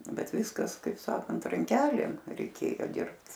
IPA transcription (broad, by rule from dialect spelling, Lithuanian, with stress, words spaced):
ˈbʲɛt ˈʋʲɪskɐs kɐɪp ˈsɑːkɐnt rɐŋʲˈkʲæːlʲeːm rʲɛɪˈkʲeːjoː ˈdʲɪrpt